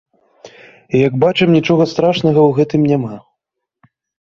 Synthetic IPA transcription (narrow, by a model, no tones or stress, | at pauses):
ijɐɡbat͡ʂɛmnʲit͡ʂɔɣɐst̪ɾaʂnɐɣɐwɣɛt̪ɨmnʲɛma